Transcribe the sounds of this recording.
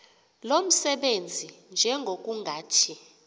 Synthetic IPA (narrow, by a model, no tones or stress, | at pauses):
lom̩sɛɓend͡zʱind͡ʒʱɛŋɡʱok̬ʼuŋɡʱaːtʰi